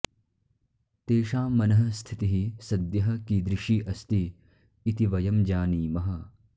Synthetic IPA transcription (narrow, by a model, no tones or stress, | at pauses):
t̪eːʃaːmɐnɐɦɐ̆st̪ʰit̪iɦisɐd̪jɐɦɐ̆kiːd̪ɾɪʃiːʔɐst̪iː | t̪iʋɐjɐmd͡ʒaːniːmɐɦɐ